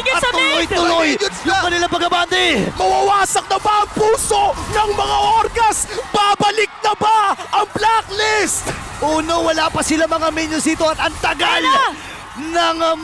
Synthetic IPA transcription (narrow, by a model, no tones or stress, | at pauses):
ʊlojt̪ʊlojjʊŋkɐnɪlapɐɡɐband̪ejmɐwɐwaːsɐk̚nɐbaʔɐŋpuːso̞nɐŋmɐŋaʔoɾɡɐsbaːbɐlɪk̚nɐbaʔɐŋplaklɪst̪ | ʔuːnowɐlapɐsɪlamɐŋamiɲʊsiːt̪oɐt̪ɐnt̪ɐɡal | nɐŋ